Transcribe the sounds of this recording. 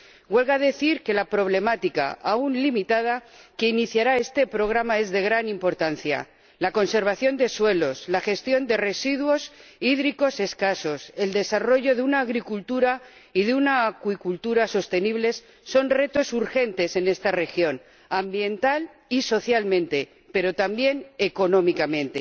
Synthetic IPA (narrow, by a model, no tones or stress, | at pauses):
ɡwe̞lɣaðe̞θiɾke̞lapɾo̞βle̞mat̪ika̰ʔaunlimit̪að̞ake̞iniθjaɾae̞st̪e̞pɾo̞ɣ̞ɾamae̞zðe̞ɣɾanimpo̞ɾt̪anθja̰ | lako̞nse̞ɾβ̞aθjo̞nd̪e̞swe̞lo̞slaxe̞st̪jo̞nd̪e̞re̞siðwo̞siðɾiko̞se̞skaso̞se̞ld̪e̞saro̞ʝo̞ðeunaːɣɾikult̪uɾa | iðeunaːkwikult̪uɾaso̞st̪e̞niβle̞sː | o̞nre̞t̪o̞suɾxe̞nt̪e̞se̞ne̞st̪are̞xjo̞n | ambje̞nt̪al | iso̞θjalmẽ̞nt̪e̞ | pe̞ɾo̞t̪ambje̞ne̞ko̞nõ̞mikamẽ̞nt̪e̞̰